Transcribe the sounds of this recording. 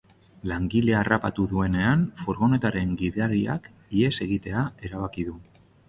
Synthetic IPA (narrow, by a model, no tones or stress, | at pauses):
laŋɡile̞arapat̪uðue̞ne̞anfoɾɣo̞ne̞t̪aɾe̞ŋɡiðeaɾia̰k | ie̞se̞ɣ̞it̪e̞ae̞ɾaβ̞akiðu